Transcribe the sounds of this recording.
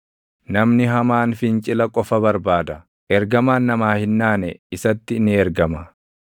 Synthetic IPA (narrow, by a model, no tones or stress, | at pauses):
nɐmnɪɦɐmaːnfɪnt͡ʃʼɪlɐkʼɔfɐbɐɾbaːd̪ɐ | ʔɛɾɡɐmaːnːɐmaːhɪnːaːnɛɪsɐt̪ːɪnɪɛɾɡɐmɐ